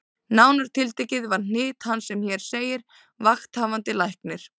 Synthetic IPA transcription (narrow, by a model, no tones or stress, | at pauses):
naːwnaɾ̥t̪ʰɪlt̪ɛjcɪðvaɾ̥n̥ɪːt̪hanːsɛmçɛɾ̥seːjɪɾ | vaxt̪haːvant̪ɪlajhknɪɾ̥